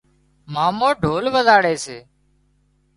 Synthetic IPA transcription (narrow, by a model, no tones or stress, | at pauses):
maːmoːɖʱoːlʋəzaːɽeːseː